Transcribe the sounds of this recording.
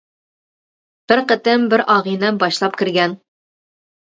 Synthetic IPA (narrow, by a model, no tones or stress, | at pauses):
b̥ɘɾqɘ̆t̪ɘmbɘɾʔɒʁinɤnbɒɕlˠɑpkɘ̆ɾɡæn